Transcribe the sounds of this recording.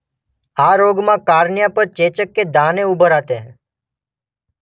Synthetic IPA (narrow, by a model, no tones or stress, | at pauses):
aɾoɡmãkaɾɳjapəɾt͡ʃet͡ʃəkːed̪ʱãneubʱəɾat̪eɦ